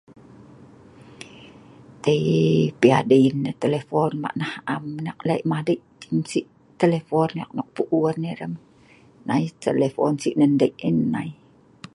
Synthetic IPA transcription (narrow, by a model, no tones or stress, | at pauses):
t̪eipia̰dəinːət̪elefɔnma̰ʔnahamnak̚laiʔmahdəjʔt̪imsiʔ | t̪elefɔna̰k̚nɔk̚puʔuərneɾəm | nait̪elefɔnsiʔnəndəiʔinːai